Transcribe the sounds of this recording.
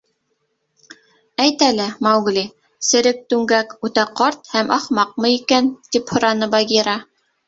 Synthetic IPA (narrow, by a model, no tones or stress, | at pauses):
æjt̪ælɘmɑwɡli | sɘ̆ɾɘk̚t̪ʉŋɡækʉt̪æqɑɾt̪hæmʔɑχmɑq̚mɤikænt̪iphŏɾɑnɤbɑɡʲiɾɑ